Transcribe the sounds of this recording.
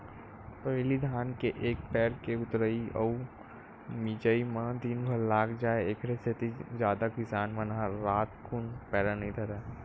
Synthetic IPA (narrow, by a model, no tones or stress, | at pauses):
pəɦlid̪ʱaːnkeʔeːk̚pɛːɾkeʊt̪ɾəiə̰u | mid͡ʒəimãt̪iːnbʱəɾlaːkʰd͡ʒaːeekʰɾeset̪id͡ʒjaːd̪akɪsaːnmə̃nãɾaːt̪kʰʊnpɛːɾanəĩd̪ɐɾɛː